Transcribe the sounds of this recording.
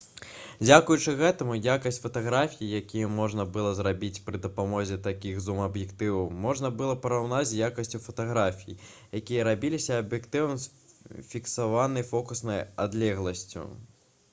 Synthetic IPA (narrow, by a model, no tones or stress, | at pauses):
d͡zʲakujut͡ʂɨɣɛt̪ɐmujakɐsʲtʲfɐt̪aɣɾafʲijijakʲijɐmɔʐnɐbɨlˠɔzrabʲit͡sʲpɾɨd̪ɐpamɔzʲɛt̪akʲiɣzumɐbjɛkt̪ɨwɐwmɔʐnɐbɨlˠɔpɐɾawnat͡sʲjakɐsʲt͡sʲufɐt̪aɣɾafʲijḭ | jakʲijɐɾabʲilʲisʲɐːbjɛkt̪ɨwɐmsfʲiksavanɨjfɔkusnɐja̰d̪lʲɛɣlˠɐsʲt͡sʲṵ